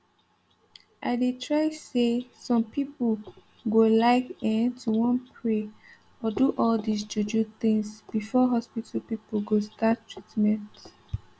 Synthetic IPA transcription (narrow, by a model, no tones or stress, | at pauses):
ʔa̰ɪdetʰɹaɪsesɔ̃mpipə | ɡolaɪkɛ̃ntʰuwɔ̃npʰɹe | ɔduʔɔld̪is̬d͡ʒud͡ʒuθɪ̃ŋsb̥ifɔɦɔspitʰəlpipəlɡostatːʰɹitmɛ̃nt